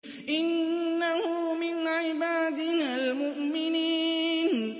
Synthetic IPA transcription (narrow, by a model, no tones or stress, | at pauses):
ʔɪnːahʊmɪnʕɪbaːd̪ɪnaːlmʊʔmɪniːn